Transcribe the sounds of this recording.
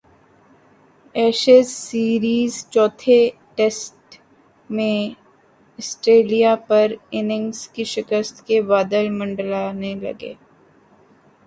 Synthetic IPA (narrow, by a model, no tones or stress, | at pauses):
ɛːʃesːiːɾiːzt͡ʃɔːt̪ʰe | ʈeːsʈ | mẽ | əsʈɾeːlijapɐɾɪnɪ̃ŋskiʃɪkəst̪kebaːd̪əlmɐ̃ɳɖlaːnelɐ̰ɡḛː